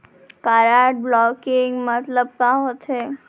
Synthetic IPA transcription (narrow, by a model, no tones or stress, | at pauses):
kaɾaʈ̚blɔkɪŋɡmət̪ləb̚kaɦot̪ʰe